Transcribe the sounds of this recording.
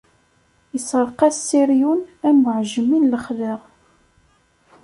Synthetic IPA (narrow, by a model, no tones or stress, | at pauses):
jəsˤəɾˤqæsiɾjunæməʕʒəminləχðəʁ